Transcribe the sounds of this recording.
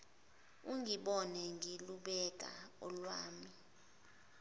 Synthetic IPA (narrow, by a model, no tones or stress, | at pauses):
uŋiɓɔnɛŋiluɓɛk̬ʼa̰ɔlwaːmi